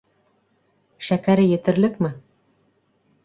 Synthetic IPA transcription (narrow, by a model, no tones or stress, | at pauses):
ʃækæɾɘjɘ̆t̪ɘ̆ɾlɘkmɘ